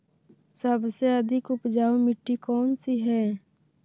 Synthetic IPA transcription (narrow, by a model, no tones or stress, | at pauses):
səbseɐd̪ʱɪkʊpd͡ʒaːumɪʈːikɔːnsiɦɛː